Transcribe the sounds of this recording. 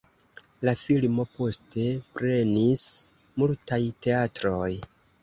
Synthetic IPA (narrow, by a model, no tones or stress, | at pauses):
lafilmo̞po̞ste̞pɾe̞nis | multajte̞atɾo̞j